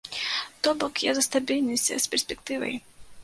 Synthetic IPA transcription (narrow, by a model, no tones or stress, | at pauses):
t̪ɔbɔkja̰zɐst̪abʲilʲnʲɨsʲsʲpʲɛrsʲpʲɛkt̪ɨvɐ̰j